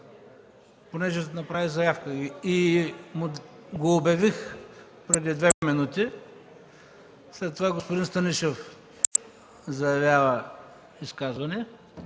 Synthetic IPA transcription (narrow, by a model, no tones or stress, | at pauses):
ponɛʒɛnɐpɾavizɐjafkəimʊɡoːbʲɐvix | pɾɛd̪id̪vɛminut̪i | slɛt̪ːovaɡospod̪inst̪ɐniʃef | zɐjɐvʲjavə | iskazvɐnɛ